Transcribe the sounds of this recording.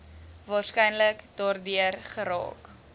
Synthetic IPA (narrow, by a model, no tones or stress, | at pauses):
vɑːrskɛjnləkd̥ɑːrdyərχəɾɑ̰ːk